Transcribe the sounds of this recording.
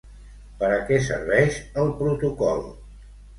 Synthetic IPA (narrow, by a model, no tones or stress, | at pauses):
pəɾəkɛs̬ə̰ɾβɛʃəlˠpɾut̪ukɔ̰lˠ